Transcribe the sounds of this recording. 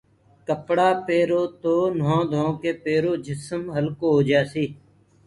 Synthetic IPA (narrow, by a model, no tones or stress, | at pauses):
kəpɽaːpeːɾoːt̪oːnõːd̪ʱõːkeːpeːɾoːd͡ʒʱɪsəmɦəlkoːɦoːd͡ʒaːsiː